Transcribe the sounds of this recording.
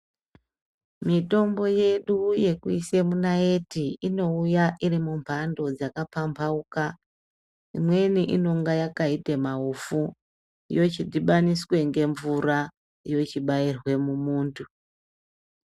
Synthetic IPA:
mito̞mbo̞je̞ɗuje̞kuise̞munae̞tiino̞ujaʔirimumpʰando̞d͡zakapampʰauka | imwe̞niʔino̞ŋɡajakaitemaufu | ḭjo̞t͡ʃidiɓaniswe̞ŋɡe̞ɱvura | ijo̞t͡ʃiɓairwe̞mumuːntʰu

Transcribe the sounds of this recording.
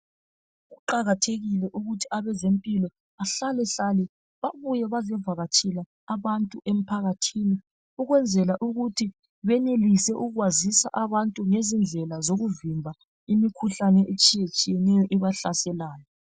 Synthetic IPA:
ɣuǃaɣatʰeɣilɛʔuɣutʰi̥aβɛzempʼilɔ | aɬalɛɬalɛ | βaβujɛβazɛvaɣat͡ʃʼʰilaːβantʼuʔem̩pʰaɣatʰini | uɣwɛnd͡zʱɛlaʔuɣutʰi | βɛnelisɛʔuɣwazisa̰ʔaβantʼuŋezind͡ɮʱɛlazoɣuvimbʱa | imikʰuɬanɛʔet͡ʃʼijet͡ʃʼijɛnɛjɔʔiβaɬasɛlaːjɔ

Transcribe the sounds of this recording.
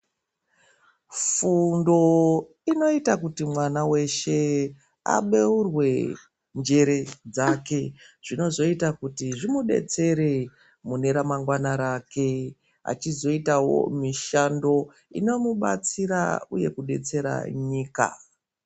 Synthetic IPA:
fundo̞ | ino̞itakutimwanawe̞ʃe̞ | a̰ɓe̞urwe̞ | nd͡ʒe̞ɾe̞d͡zake̞ʐ̥ino̞zo̞itakutiʐimuɗe̞̰t͡se̞ɾe̞ | mune̞ɾamaŋɡwanaɾake̞ | a̰t͡ʃizo̞itawo̞̰miʃando̞ | ḭno̞muɓa̰t͡siɾa̰uje̞kuɗe̞̰t͡se̞ɾa̰ɲiːka̰

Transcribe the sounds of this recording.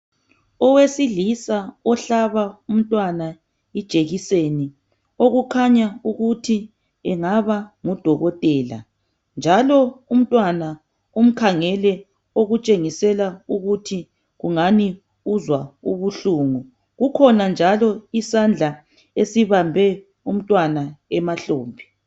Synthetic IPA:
ɔwesilisaɔɬaβaum̩tʼwana | id̥ʒ̥ʱʼeɣiseni | oɣukʰaɲauɣutʰi | ɛŋaβaŋud̥ʱɔɣɔtʼɛːla̰ | nd͡ʒʱalɔum̩tʼwana | um̩kʰaŋɛlɛ | oɣut͡ʃʼeŋisɛlauɣutʰi | ɣuŋani | uzwaṵβuɬuːŋu | ɣukʰɔnand͡ʒʱalɔisand͡ɮʱa | esiβambʱɛ | um̩tʼwanaɛmaɬoːmbʱi

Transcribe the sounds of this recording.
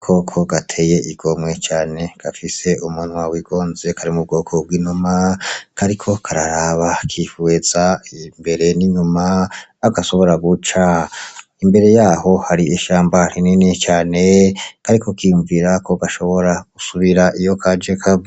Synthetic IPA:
kʰo̞kʰo̞ɡatʰeje̞ʔiɡo̞mwe̞t͡ʃaːne̞ɡ̥afise̞ʔumunwawiɡ̥o̞ːnze̞kʰaɾimub̚ɡo̞ːkʰo̞bwiːnumakʰaɾikʰo̞kʰaɾaɾaβakʰifuwez̥aimbe̞ɾe̞niɲumaːɡaʃo̞βo̞ɾaɡut͡ʃa | imbe̞ɾe̞jaːho̞haɾiʔeʃaːmbaɾininit͡ʃaːne̞kaɾikʰo̞kijuɱviɾakʰo̞ɡaʃo̞βo̞ɾaɡ̥usuβiɾaʔijo̞kʰad͡ʒekʰa

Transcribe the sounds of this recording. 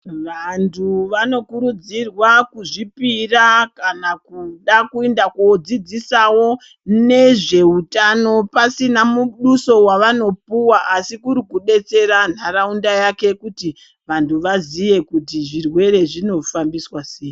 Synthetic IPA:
ʋantʰuʋano̞kuɾud͡zirwakuʐipirakanakuɗakuendakod͡zid͡zisawo̞ | ne̞ʐe̞utano̞pasinamuɗuso̞waʋano̞puwaʔːsikuɾikuɗe̞t͡se̞ɾan̤araundajake̞kuti | ʋantʰuʋazije̞kutiʐirwe̞ɾe̞ʐino̞fambiswaseːji

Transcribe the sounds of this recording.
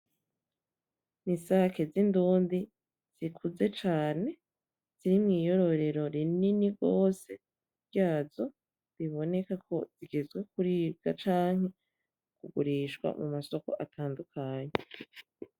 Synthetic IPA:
nisaːke̞zinduːndi | z̥ikʰuze̞t͡ʃaːne̞ | z̥iɾimŋiːjo̞ɾo̞ɾe̞ɾo̞ɾininiɡo̞ːse̞ | bɟaːzo̞ | ɾiβo̞ne̞kakʰo̞̰z̥iɡe̞zɡwe̞kuɾiːb̚ɡat͡ʃaːŋ̥he̞ | kuɡuɾiːʃɡwa̰mumaso̞ko̞̰ʔatʰaːndukʰaːɲe̞

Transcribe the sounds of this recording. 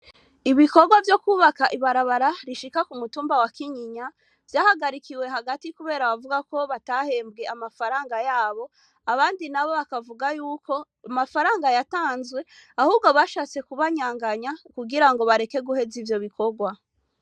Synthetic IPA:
iβiko̞ɡwavjo̞kuːβakaʔiβaɾaβaɾaɾiʃikakumutuːmbawakiɲiɲa | v̥jaːhaɡaɾikiwe̞ɦaɡatikuβe̞ːɾaβavuɡako̞βatahe̞ːmbɡe̞amafaɾaːŋɡajaːβo̞ | aβaːndinaβo̞βakavuɡajuːko̞ | amafaɾaːŋɡajataːnzɡwe̞ahuːɡoβaʃaːt͡se̞kuβaɲaːŋɡaɲakuɡiɾaŋɡo̞βaɾe̞ke̞ɡuhe̞zivjo̞βiko̞ɡwa

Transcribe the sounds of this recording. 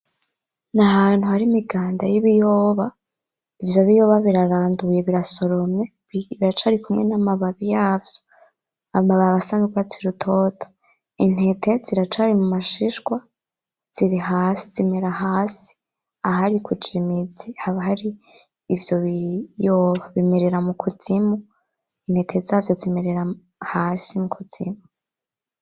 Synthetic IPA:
naɦaːn̥huhaɾimiɡaːndajiβijoːβa | ivjo̞βijo̞βaβiɾaɾaːndujeβiɾaso̞ɾo̞me | βiɾat͡ʃaːɾikʰumŋenamaβaβijaːvjo̥ | aomaβaβasanuɡat͡siɾutʰo̞ːtʰo̥ | in̥he̞tʰe̞ziɾat͡ʃaɾimumaʃiʃɡwa | z̥iɾiɦaːsizime̞ɾahaːsi̥ | aɦaɾikʰut͡ʃimid͡zihaβahaɾiː | vjo̞βijoːβaβimeɾeɾamukʰuz̥imu | in̥he̞tʰe̞zaːvjo̞zimeɾeɾa | haːsimukʰuz̥ḭmu

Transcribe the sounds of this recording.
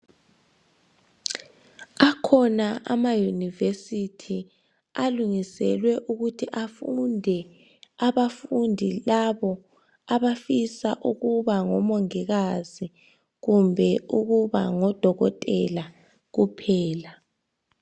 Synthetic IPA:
akʰɔnaʔa̰majunivesitʰi | aluŋisɛ̰lwɛʔuɣutʰiʔafundʱɛ | aβafundʱilaβɔ | aβafisaʔuɣuβaŋɔmoŋiɣazi | ɣumbʱɛuɣuβa̰ŋɔd̥ʱɔɣɔtʼɛla | ɣupʰɛːla

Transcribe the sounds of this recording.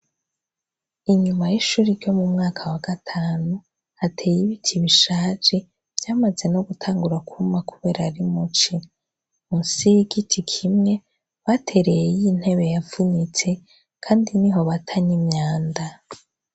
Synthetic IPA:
iɲumajiʃuɾiɾjo̞mumŋaːkʰawaɡ̥atʰaːnu | hatʰe̞jiβitʰiβiʃaːt͡ʃe | v̥jaːmaze̞noɡutʰaːŋɡuɾakumakuβe̞ːɾaɾimut͡ʃi | musiɡitʰikʰimŋe̞ | βatʰe̞ɾejejin̥he̞βe̞javunit͡se̞ | kʰaːndiniɦo̞βatʰaɲimɲaːnda

